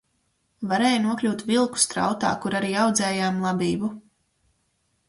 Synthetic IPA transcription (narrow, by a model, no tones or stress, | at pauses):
vaɾɛːjnuɔklʲuːt̪vʲilˠku̥st̪ɾa̰wt̪a̰ːkuɾaɾiːawd̪zɛːjaːmlˠabʲiːbu